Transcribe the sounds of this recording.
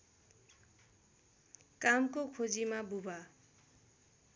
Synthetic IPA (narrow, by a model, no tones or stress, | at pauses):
kamkokʰod͡zimabubʱa